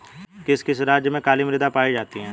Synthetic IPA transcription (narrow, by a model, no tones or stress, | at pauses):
kɪskɪsɾaːd͡ʒjəmẽkaːlimɾɪd̪apaːid͡ʒaːt̪iɦɛ̃ː